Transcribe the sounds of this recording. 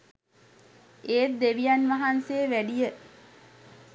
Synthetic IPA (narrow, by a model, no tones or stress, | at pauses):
eːt̪̚d̪eʋijanʋaɦanseːʋæɖijə